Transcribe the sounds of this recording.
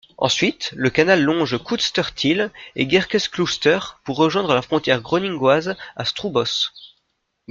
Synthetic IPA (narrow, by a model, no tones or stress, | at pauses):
ɑ̰̃sɥit̪ləkanalːɔ̃ʒkud̪st̪œʁt̪ʰilḛɡɛʁkʲɛsklust̪œʁpuʁːəʒwɛ̃d̪ʁəlafχɔ̃t̪ʲjɛʁɡʁɔnĩɡwaza̰st̪χubɔs